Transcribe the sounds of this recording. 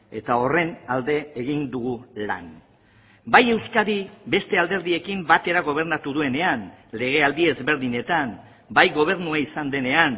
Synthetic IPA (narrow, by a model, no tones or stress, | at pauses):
e̞t̪ao̞re̞nald̪e̞ːɣind̪uɣula̰n | baje̞wskaɾibe̞st̪e̞ald̪e̞ɾðie̞kimbat̪e̞ɾaɣ̞o̞β̞e̞ɾnat̪uðue̞ne̞anle̞ɣ̞e̞ald̪ie̞zβe̞ɾðiɲe̞t̪am | bajɣo̞β̞e̞ɾnuaisand̪e̞ne̞an